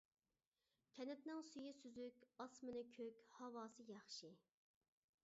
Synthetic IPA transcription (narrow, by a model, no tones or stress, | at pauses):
kʲʰɛnɛt̪nɪŋsyjisyzykʲɑsmɨnɨkʲʰøkʲhɑwɑːsɨjɑχʃi